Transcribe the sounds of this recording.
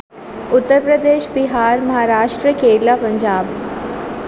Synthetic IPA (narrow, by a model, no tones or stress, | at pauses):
ʊt̪ːəɾpɾəd̪eːʃbɪɦaːɾmɐɦaːɾaːʃʈɾiəkʰeːɽlapə̃ɲd͡ʒaːb